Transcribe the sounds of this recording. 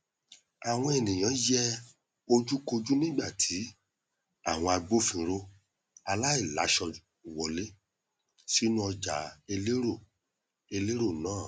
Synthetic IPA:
a˨w̃ɔ̃˧e˨nĩ˨j̃ã˨˦jɛ˦ | o˧d͡ʒu˦ko˧d͡ʒu˦nĩ˦ɡ͡ba˦˨tʰi˨˦ | a̰˦˨w̃ɔ̃˧a˧ɡ͡bo˦fĩ˧ɾo˧ | a˧la˦i˦˨la̰˨˦ʃɔ˧˨ | wɔ˧le˦ | si˦nũ˦ɔ˧d͡ʒa˨˦e˧le˦ɾo˦˨ | e˧le˦ɾo˦˨nãː˦˨

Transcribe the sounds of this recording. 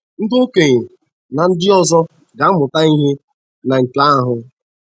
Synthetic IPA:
n̩˦do˦ke˨ɲe˨ | na˨n̩˦dɪ˦ɔ˦zɔ˦ | ɡa˨˦mʊ˨ta˦i˦ɦe˦ | na˨ŋ̩˨ka˦a˦ɦʊ˦

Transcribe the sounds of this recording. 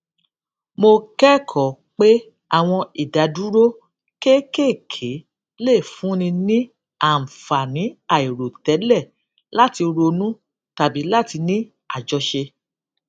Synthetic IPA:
mo˧kɛ˦kʰɔ˨ | k͡pe˦ | a˦˨w̃ɔ̃˧i˨da˨du˨˦ɾo˦ | ke˦ke˦˨kʰe˨˦ | le˦˨fũ˨˦nĩ˧nĩ˦ | a˦˨fa˨nĩ˨˦a˦˨i˨ɾo˨tɛ˨˦lɛ˦˨ | la˦ti˧o˧ɾo˧nũ˦ | ta˨bi˨˦la˦˨ti˧nĩ˦ | a˦˨d͡ʒɔ˧ʃe˧

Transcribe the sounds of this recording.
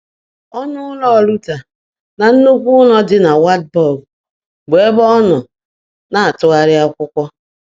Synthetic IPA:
ɔ˦nʊ˦ʊ˦lɔ˦˨lu˦ta˨ | na˨n̩˦nu˦kʷu˦ʊ˦lɔ˦dɪ˦na˨wa˦t̚bɔ˦˨l | ɡ͡be˨˦bɔ˦ɔ˦nʊ˨ | na˨a˨tʊ˦ɣa˦ɾɪ˦a˦ʊ˦kʷʊ˦kʷɔ˦

